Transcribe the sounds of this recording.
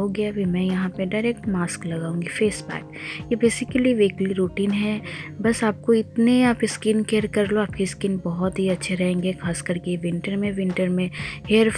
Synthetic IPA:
oɡɐjabʱimɛ̃jɐɦãpeɖaɪɾeːk̚ʈmaːsklɐɡaːũːŋɡifeːsbɛ̰ːkjebeːsɪkəliʋeːkliɾuːʈiːnɦɛbɐsaːp̚koɪt̪neaːpɪskinkeːɾkɐɾloaːpkeskɪnbɔɦɔt̪ɦiɐtːʃʰeɾɛɦẽːŋɡexʰaːskɐɾkeʋɪ̃ɳʈəɾmẽʋɪ̃ɳʈəɾmẽheːɾ

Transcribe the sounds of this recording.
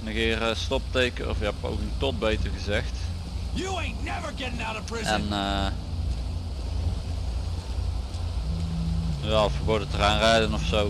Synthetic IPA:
nəɣɪːrstɔp̚tejkəɔ̰fɪkɦɛpo̰wkəŋtɔt̚bejtəɹɣəzɛxt | jəẽɪntnɛvə˞ɡɛɾɪ̃ŋaʊɾəpʰɹ̥ɪzɛnː | ʋɛlˠɔfəbodətəraːnrɛːdənɔfsow

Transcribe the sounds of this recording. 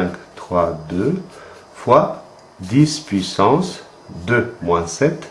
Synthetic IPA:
ɛ̃kt̪χwad̪ø | fwa | d̪ispɥisɑ̃s | d̪ømwɛ̃sɛt̪

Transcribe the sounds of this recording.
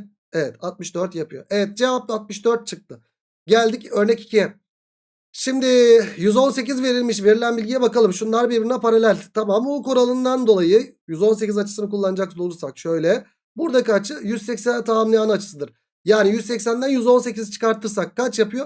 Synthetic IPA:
evɛt̪ʰat̪̚mɯʃd̪øɾt̪japʰɯjo̞̰ʔevɛt̪̚d͡ʒe̞vap̚t̪at̪̚mɯʃd̪øɾt̪̚t͡ʃʰɯk̚t̪ʰɯ | ɟælʲd̪icø̞ɾnɛci̥cʰijɛ | ʃimd̪ɪjyzo̞nse̞c̬izve̞ɾilʲmiʃve̞ɾilʲænbilʲɟijɛbakalˠɯmʃunlˠaɾbiɾbiɾinɛpaɾalʲælʲt̪ʰamamoko̞ɾalˠɯnd̪and̪o̞lˠajɯ | jyzo̞ns̬e̞cizat͡ʃʰɯ̥sɯnɯkʰulˠːanɯd͡ʒak̚sd̪olˠuɾsakʃø̞jlʲɛ | buɾd̪akat͡ʃɯjyzsɛcsænɛt̪ʰaamlˠɯjaːnɯat͡ʃʰɯ̥sɯd̪ɯɾ̥ | jaːnijyzsɛcsænd̪ænjyzo̞nse̞cizt͡ʃʰɯ̥kaɾt̪ʰɯɾs̬akːat͡ʃjapʰɯjo̞

